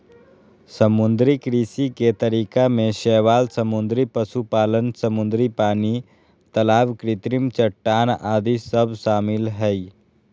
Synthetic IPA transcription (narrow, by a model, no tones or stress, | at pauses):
səmʊ̃nd̪ɾikɾiːsiket̪əɾiːkamẽʃɛːʋaːlsəmʊ̃nd̪ɾipəʃupaːlənsəmʊ̃nd̪ɾipaːni | t̪əlaːʋkɾɪt̪ɾɪmt͡ʃəʈːaːnaːd̪isəbʃaːmɪlɦɛi